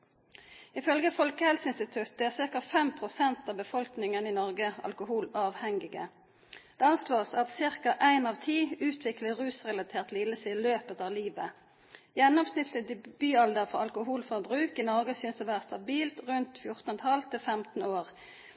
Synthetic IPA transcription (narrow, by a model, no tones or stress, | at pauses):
ɪfœlɡəfɔlkəhɛlsəɪnst̪ɪt̪ʰʉt̪̚d̪ɛæːʁsɪʁkɑfɛmpʰʁʊsɛnt̪ɑːʋbəfɔlknɪŋəninɔʁɡəɑ̰lkʊhuːlɑːʋhɛŋɪɡə̰ | d̪̥ɛːɑnsloːsɑt̪sɪʁkɑʔæɪnɑːʋt̪ʰiːʉːt̪ʰʋɪkləʁʉːsʁɛlɑt̪ʰeːʁt̪lɪːləsɪløːpət̪ɑːʋliːʋə | jɛnːɔmsnɪt̪ʰləd̪b̥yːɑld̪əʁfɔ̰ɑlkʊɦuːlfɔʁbʁʉːkinɔʁɡəsʏːnsd̪oʋæːʁəst̪ɑbiːlt̪ʁʉnt̪fjʊʁt̪nt̪ʰɑlt̪ʰːɪfɛmt̪n̩oːʁ